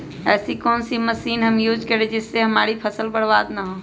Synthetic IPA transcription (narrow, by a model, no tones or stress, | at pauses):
ɛːsikoːnsiməsiːnɦəmjud͡ʒkəɾɛd͡ʒɪsːeɦəmaɾipʰəsəlbəɽbad̪naɦo